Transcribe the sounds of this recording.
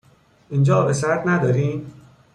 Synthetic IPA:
ind͡ʒɒːbesæɾd̪næd̪ɒːɾiːn

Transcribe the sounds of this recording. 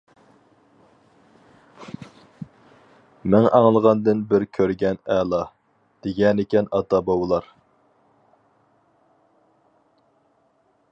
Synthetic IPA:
mɛŋʔɑŋlˠəʁɑnd̪ɨnbɪɾkʲʰøɾɡʲɛnɛlˠɑ | d̪̥eɡʲɛnɪkʲɛnɑt̪ɑbɑwlˠɑɾ

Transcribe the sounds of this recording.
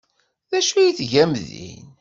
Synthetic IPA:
ðæʃujiθʝæmðḭn

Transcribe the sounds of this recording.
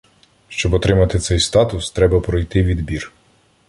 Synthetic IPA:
ʃt͡ʃɔbɔt̪ɾɪmɐt̪ɪt̪sɛjst̪ɑt̪ʊst̪ɾɛbɐpɾɔjt̪ɪʋʲid̪bʲir

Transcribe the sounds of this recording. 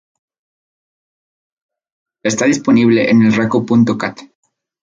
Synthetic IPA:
e̞st̪aðispo̞niβ̞le̞ʔenelrakopunt̪o̞kat̪

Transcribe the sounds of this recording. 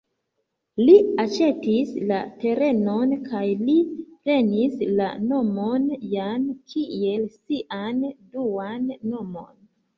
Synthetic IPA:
liat͡ʃe̞tislate̞ɾe̞nonkʰajlipɾe̞nisla̰no̞monjankʰie̞lsiʔanduanːo̞mo̞̰n

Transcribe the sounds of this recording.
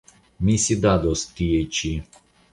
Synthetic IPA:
misʲid̪ad̪ɔskijejt͡ʃi

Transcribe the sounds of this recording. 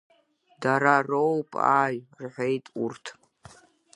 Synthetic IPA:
daɾarowpʼa̰ːjrħʷe̞jtʼurtʰ

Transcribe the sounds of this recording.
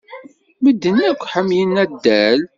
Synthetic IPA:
məd̪ːənækʷːħəmjənːæd̪ːæl

